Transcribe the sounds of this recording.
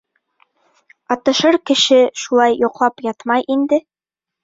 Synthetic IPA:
ɑt̪ɤ̆ʃɤɾkɘ̆ʃɘʃulˠɑjːuqlˠɑpjɑt̪mɑjʔind̪ɘ

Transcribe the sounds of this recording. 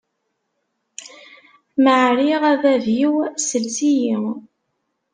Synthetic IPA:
məʕɾiʁæðævjiwsəlsiji

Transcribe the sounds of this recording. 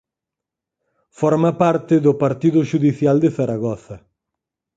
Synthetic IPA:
fɔɾmapaɾt̪ɪðʊpaɾt̪iðʊʃuðiθjald̪eθaɾaɣɔθɐ

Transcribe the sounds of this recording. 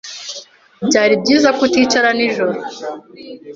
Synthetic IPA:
bɟaːɾib̚ɟiːzakutiːt͡ʃaɾaniʒoɾo

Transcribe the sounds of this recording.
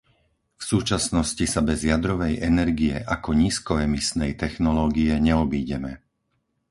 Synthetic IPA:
fsuːt͡ʃasnɔscisabɛzjad̪ɾɔʋɛjʔɛnɛɾɡiɛʔakɔɲiːskɔɛmisnɛjt̪ɛxnɔlɔːɡiɛɲɛɔbiːɟɛmɛ

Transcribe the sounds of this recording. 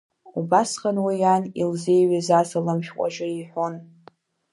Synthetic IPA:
ubasχanwijanilzejɥazasalɨmʃʲqʷʼa̰ʒʊiħʷon

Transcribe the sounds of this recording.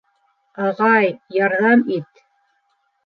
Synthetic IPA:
ɑʁɑjjɑɾðɑmit̪

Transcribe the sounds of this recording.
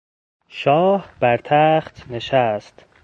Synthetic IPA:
ʃɒːhb̥æɾt̪ʰæːχt̪neʃæst̪

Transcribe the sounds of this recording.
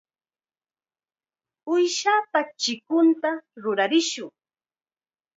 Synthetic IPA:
ʊjʃaːpat͡ʃɪkʊnt̪aɾʊɾaɾɪʃʊŋ

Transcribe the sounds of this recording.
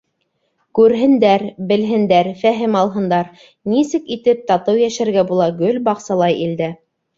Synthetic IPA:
kʉɾɦɘ̆nd̪æɾbɘ̆lɦɘ̆nd̪æɾfæɦɘmɑlˠɦɤ̆nd̪ɑɾ | nisɘkit̪ɘp̚t̪ɑt̪ɤwjæʃæɾɡæbulˠɑɡɵlbɑqsɑlˠɑjild̪æ

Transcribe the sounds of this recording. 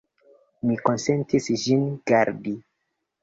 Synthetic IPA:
miko̞nsentisʒinɡaɾdi

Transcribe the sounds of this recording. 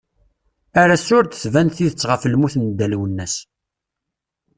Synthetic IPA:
æɾæsʊɾt̪əθvænθiðət͡sːʁəfəlmuθnd̪ːælwənːæs

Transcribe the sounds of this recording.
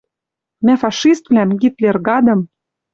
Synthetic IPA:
mæfɑʃist̪vlæmɡit̪lerɣɑd̪ɤ̆m

